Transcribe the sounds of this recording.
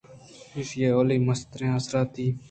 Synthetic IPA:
ɪʃjeːoːliːməst̪ɾẽːasɾaːt̪ːiː

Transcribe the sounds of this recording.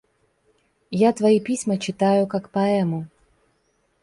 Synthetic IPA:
jat̪vɐjipʲisʲmɐt͡ɕɪt̪ajʊkakpɐɛmʊ

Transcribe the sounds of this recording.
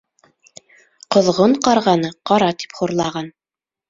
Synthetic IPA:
qŏðʁoɴqɑɾʁɑnɤqɑɾɑt̪i̥pχuɾlˠɑʁɑn

